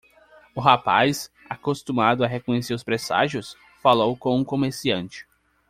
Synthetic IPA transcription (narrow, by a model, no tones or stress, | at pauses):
ʊɦapajs | akost̪umad̪ʊaɦekõɲeseɾʊspɾesa̰ʒjʊs | falowkõũkomeɾsiɐ̃nt͡ʃɪ̥